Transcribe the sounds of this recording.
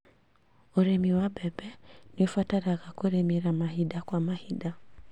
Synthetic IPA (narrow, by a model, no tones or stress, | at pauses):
uɾɛmiwabɛbɛniɔfwataɾaɣakuɾɛmiɾamaɦiɗakwamahiɗa